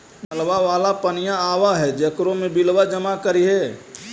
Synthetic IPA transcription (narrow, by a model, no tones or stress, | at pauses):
əlʋaʋaːlapənɪjãaːʋaɦɛd͡ʒəkɾõmẽbɪlwad͡ʒəmakəɾiɦɛː